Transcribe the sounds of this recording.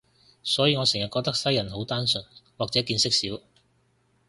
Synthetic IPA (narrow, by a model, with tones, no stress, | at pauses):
sɔː˨˥jiː˧ŋɔ˨˧sɪ˨˩ŋjɐ˨t̚kɔː˧k̚t̪ɐ˥k̚sɐ˥jɐ˨˩nɦo˨˥wt̪aː˥nsɵ˨nwaː˨k̚t͡sɛː˨˥kiː˧nsɪ˥k̚siː˨˥w